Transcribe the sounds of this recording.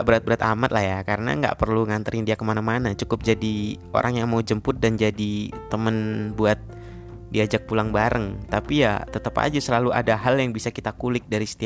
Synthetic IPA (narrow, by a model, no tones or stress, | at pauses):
bəɾat̪̚bəɾat̪amat̪̚lahjakaɾəna̰ŋɡa̰ʔpərluŋant̪əɾɪŋdiakəmanamanat͡ʃukʊp̚d͡ʒadi | o̰ɾʔaŋjaŋmaud͡ʒəmpʊt̪̚dand͡ʒadit̪ːəmənbuat̪̚ | diad͡ʒak̚pulaŋbaɾəŋt̪apijat̪ət̪əpa̰d͡ʒasəlaluʔa̰daɦaljaŋbisakit̪akulɪk̚daɾisə̥t̪i